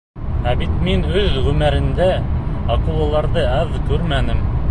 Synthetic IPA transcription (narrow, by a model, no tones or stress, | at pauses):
æbit̪minɵðʁɵmæɾɘ̆nd̪æɑqŭwˠɑlˠɑɾðɤæðkʉɾmænɘm